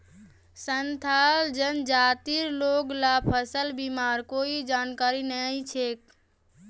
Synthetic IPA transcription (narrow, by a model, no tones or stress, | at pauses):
sənt̪ʰald͡ʒənd͡ʒaːt̪iɾloːɡlapʰəsəlbimaːɾkoːid͡ʒaːnkaːɾinəĩt͡ʃʰek